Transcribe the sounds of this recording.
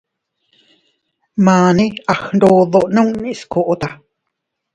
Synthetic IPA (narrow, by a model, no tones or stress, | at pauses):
maːniʔaxɳɖoːðoʔnũŋniʔskoʔot̪a